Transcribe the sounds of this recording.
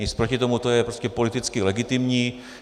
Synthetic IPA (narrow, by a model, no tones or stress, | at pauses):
ispɾocɪt̪o̞mut̪o̞jɛpɾoscɛpo̞lɪt̪ɪt͡skɪlɛɡɪt̪ɪmɲiː